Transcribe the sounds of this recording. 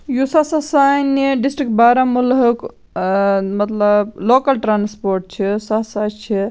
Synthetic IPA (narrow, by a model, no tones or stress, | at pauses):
jusasasajneɖisʈɾikʈbaɾamulɦək | məɐt̪ləblokəlʈɾaːnspoɾʈ̚t͡ʃʰisasat͡ʃʰi